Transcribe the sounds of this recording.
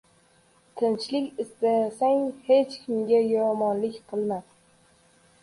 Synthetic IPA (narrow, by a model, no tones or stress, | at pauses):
t̪ʰɪnt͡ʃlɪkʲɪst̪asaŋhet͡ʃkʲʰɪmɡʲajɒmɒnlɪkʲqʰɨlˠmad̪